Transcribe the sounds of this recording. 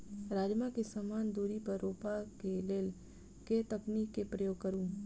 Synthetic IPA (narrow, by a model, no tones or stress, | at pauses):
ɾaːd͡ʒmakesəmaːnd̪uːɾipɐɾoːpakeleːl | ket̪ɐkniːkːepɾəjoːɡ̚kəɾũː